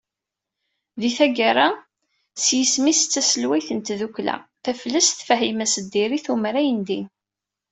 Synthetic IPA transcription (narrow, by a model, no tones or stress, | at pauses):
ðiθæɡaɾa | sjəsmist͡sːæsəlwæjθənt̪ðuklæ̰θæfləsθfəɦimæsəd̪ːiɾiθumɾæjənd̪in